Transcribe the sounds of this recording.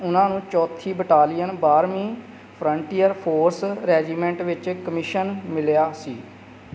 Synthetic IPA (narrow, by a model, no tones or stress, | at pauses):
ʊnãːnũːt͡ʃɔːt̪ʰːiːbəʈaːlɪjənbaːɾmĩː | pʰɾəɳʈiːəɾpʰoːɾsɾɛːd͡ʒiːmɛ̃ɳʈʋɪt͡ʃkəmɪʃənmɪljaːsiː